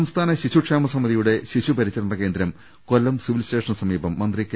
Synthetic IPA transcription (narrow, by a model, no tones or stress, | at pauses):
ɐmst̪ʰaːnɐɕiɕuʂaːmɐsɐmːɐðijuɽe̞ɕiɕupɐɾit͡ɕːɐɾɳɖɐke̞ːnd̪ɾɐm | kolːɐmsiʋilisteːʂɐnsɐmiːbɐmːɐnd̪rikː